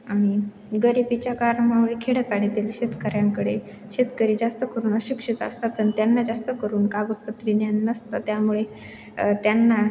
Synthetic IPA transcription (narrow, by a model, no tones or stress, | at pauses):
aɽ̃i | ɡəɾibit͡ɕjakaɾmaʋɭekʰeɽəpaɽet̪iːlɕet̪kəɾjãŋkəɽe | ɕet̪kəɾiːd͡zast̪əkəɾuːnəɕikʂit̪ə̰st̪at̪ːənt̪janːad͡zast̪əkəɾuːnkabut̪̚pət̪ɾinjanːəst̪ət̪jamuɭe | t̪janːa